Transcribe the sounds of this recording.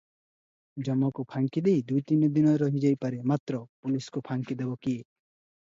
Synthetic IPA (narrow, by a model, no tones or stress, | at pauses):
d͡ʒɔmːɔkupʰaŋkid̪ejd̪ujt̪inɔd̪inɔɾɔɦid͡ʒajpaɾemat̪ɾɔpuliskupʰaŋkid̪ebɔkie